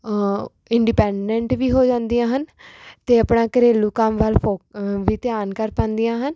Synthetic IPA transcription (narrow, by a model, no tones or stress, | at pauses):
ɪɳɖiːpɛːɳɖɛ̃ɳʈʋiːɦoːd͡ʒãːnd̪ijãːɦənt̪eːəpnaːkəɾeːlũːkəmʋəːlpʰoːʋiːt̪ɪjaːnkəɾpãːnd̪ijãːɦən